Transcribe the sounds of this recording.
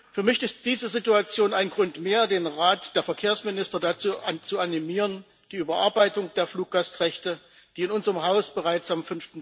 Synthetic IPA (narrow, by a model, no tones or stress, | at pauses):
fyːɐmɪçɪstd̥iːzəzituat͡sjoːnaɪnɡʁʊntmeːɐdeːnʁaːtd̥eːɐfɛɐkʰeːɐsmɪnɪstɐdat͡suːt͡suanimiːʁən | d̥iːyːbɐʔaɐbaɪtʊŋd̥eːɐfluːk̚ɡ̥astʁɛçtə | d̥iːɪnʊnzəʁəmɦaʊsb̥əʁaɪt͡samfʏnftn̩